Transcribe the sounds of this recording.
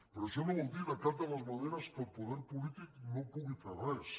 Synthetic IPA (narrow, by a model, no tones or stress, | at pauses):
peɾosiamoβond̪iðakaɾt̪̬alazmaðeɾaspolpoðeɾpolit̪iknopuɣet̪ɾaβes